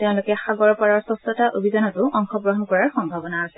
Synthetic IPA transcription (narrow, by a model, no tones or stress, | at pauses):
teʊ̃lʊkɛxaɡɔɹpaɹɔɹsɔsɔtaʔobʱizanɔtʊʔɔŋxɔbɹɔɦɔnkɔɹaɹxɔmbʱabɔnaːsɛ